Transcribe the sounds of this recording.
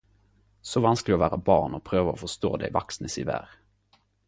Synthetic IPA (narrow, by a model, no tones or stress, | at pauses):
sɔvansklɪɡɔvæːɾabɑːɳɔpʰɾøːvaɔfœʂt̪o̰ːd̪ɛ̰ɪvaksnəsɪvæ̰ːɾ